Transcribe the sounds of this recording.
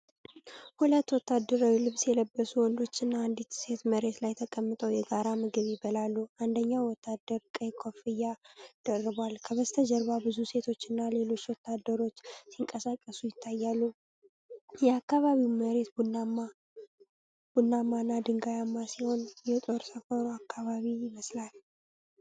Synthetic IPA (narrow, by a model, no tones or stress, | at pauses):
hulət̪ːwɔt̪ːad̪ːəɾawilɨβsjɛləbːəsuwɔnd̪o̞t͡ʃːɪnːand̪it̪se̞t̪məɾe̞t̪lajt̪ʰəkʼəmːɨt̪ʼəwjɛɡaɾamɨɡɨβjibəlalːuand̪əɲːawɔt̪ʰːad̪əɾkʼəjkʰo̞fɨjːad̪̥ərːɨβwalkʰəβəst̪ʰəd͡ʒəɾβabɨzuse̞t̪ʰo̞t͡ʃːɪnːale̞lo̞t͡ʃːwɔt̪ːad̪ːəɾo̞t͡ʃːsiŋkʼəsakʼːəsujɪt̪ʰːajːalːu | jɛakːaβaβiwməɾe̞t̪bunːama | b̥unːamːanːad̪ɨŋɡajamːasiho̞njɛt̪ʼo̞ɾsəfəɾuakʰːaβaβijɪməslal